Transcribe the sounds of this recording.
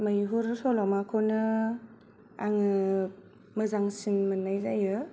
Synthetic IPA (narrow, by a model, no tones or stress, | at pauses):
majɦuɾsɔlɔmakʰɔnɯ | a̰ŋɯ | mɯzaŋsinmɯnːajzajɯ